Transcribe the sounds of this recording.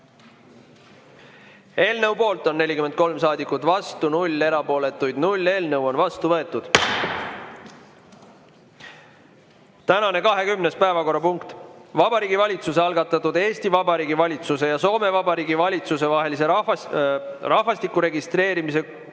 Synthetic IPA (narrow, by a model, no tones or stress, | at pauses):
e̞ːlnəwpo̞ːlt̪ːˑo̞nːe̞lʲikyme̞nd̪̚ko̞lmsɑːd̪ikːˑut̪ːˑvɑst̪unulʲːe̞ɾɑpo̞ːle̞t̪ːˑujd̪̥nulʲːe̞ːlnɤwo̞nvɑst̪uvɤ̞e̞t̪ːˑud̪̥ | t̪ænɑne̞kɑɦe̞kymnespæevɑko̞rːɑpuŋkt̪vɑbɑɾiːɡivɑlʲit̪suseɑlɡ̥ɑt̪ːˑɑt̪ːud̪e̞ːsʲt̪ivɑbɑɾiːɡivɑlʲit̪suse̞jɑso̞ːme̞vɑbɑɾiːɡivɑlʲit̪suse̞vɑɦe̞lise̞ | rɑhvɑst̪ikːˑuɾe̞ɡist̪ɾe̞ːɾimis̬e̞